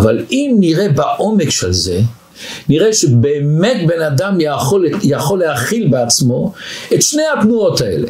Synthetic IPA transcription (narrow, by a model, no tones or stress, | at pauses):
valimniʁebaʔo̞mekʃelze̞̰ | niʁeʃebe̞ːmetbe̞nad̪amjoljaχo̞lːehaχilbeat͡smo̞etʃne̞jhat̪nuo̞tae̞̰le̞̰